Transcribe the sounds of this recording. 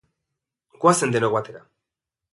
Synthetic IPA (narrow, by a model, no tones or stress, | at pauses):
ɡwasend̪eloɣwat̪eɾa